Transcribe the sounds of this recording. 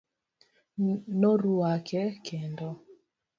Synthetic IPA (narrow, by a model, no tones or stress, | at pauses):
noɾwakʰɛkendɔ